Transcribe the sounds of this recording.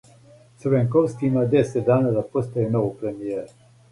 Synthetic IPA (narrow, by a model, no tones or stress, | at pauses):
səɾvɛŋkowskiimad̪ɛsɛt̪d̪aːnad̪apost̪ajenoʋpɾɛmijɛɾ